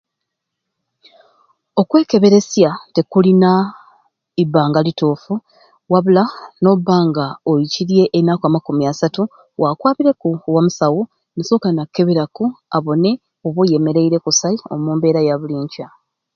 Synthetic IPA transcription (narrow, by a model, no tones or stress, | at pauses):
o̞kwe̞ːke̞βe̞ɾe̞sjate̞kulina | ibːaːŋɡalitoːfu | waβulano̞βaːŋɡaojiciɾje̞ʔːnːakoamakumiasatu | wakwaːβiɾe̞kuwamusawu | nesoːkanakːe̞βeɾakuaβo̞ne̞ | oβuje̞me̞ɾe̞iɾe̞kusaio̞̰muːmbe̞ːɾajaβuliːɲca